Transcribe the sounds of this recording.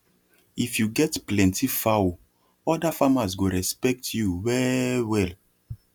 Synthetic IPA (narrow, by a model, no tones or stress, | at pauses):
ifjuɡɛtplɛ̃ntifawo | ɔdafamasɡoɹɛspɛk̚tʰjuwɛwɛl